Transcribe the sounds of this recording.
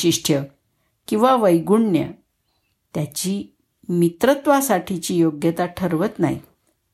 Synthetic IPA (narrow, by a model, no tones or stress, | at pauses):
iʂʈʰjə | kĩw̃ʋaʋəjɡuɳnjə̰ | t̪jat͡ɕiː | mit̪ɾət̪ʋasaʈʰit͡ɕiːjoɡjət̪aʈʰəɾʋət̪na̰ḭ